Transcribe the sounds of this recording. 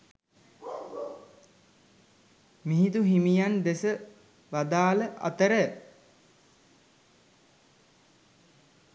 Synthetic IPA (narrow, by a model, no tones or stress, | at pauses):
miɦit̪uɦimijand̪esə | ʋad̪aːləʔa̰t̪əɾə